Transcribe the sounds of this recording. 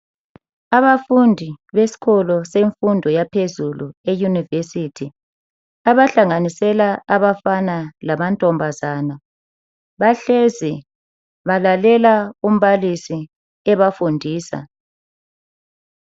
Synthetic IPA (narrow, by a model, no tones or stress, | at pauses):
aβafundʱiβesi̥kʰɔlɔseɱfundʱɔjapʰezuluejunivesitʰi | aβaɬaŋanisɛlaaβafanalamantʼɔmbʱazaːna | βaɬɛzi | βalalɛlaum̩βalisi | ɛβafundʱiːsa̰